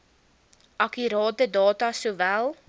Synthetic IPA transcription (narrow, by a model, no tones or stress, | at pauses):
ʔɐkyɾɑːtədɑːtɐsuvælˠ